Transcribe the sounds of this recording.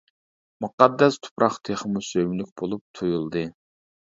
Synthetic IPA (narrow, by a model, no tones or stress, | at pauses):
muqɑd̪ːɛst̪ʰʊ̥pɾʔɑχt̪ʰeχmusømlyk̚ʲbolˠup̚t̪ʰujulˠd̪ɨ